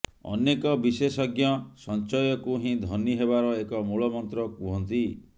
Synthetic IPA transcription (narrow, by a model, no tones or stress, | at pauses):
ɔ̰nekɔbisesɔɡjɔsɔnt͡ʃɔjɔkuɦĩd̪ʱɔniɦebaɾɔekɔmuɭɔmɔnt̪ɾɔkuɦɔnt̪i